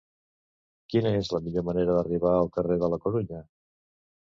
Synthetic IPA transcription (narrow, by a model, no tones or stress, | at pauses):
kinəezləmiʎoməneɾəðəriβaəlˠkəreðələkuɾuɲə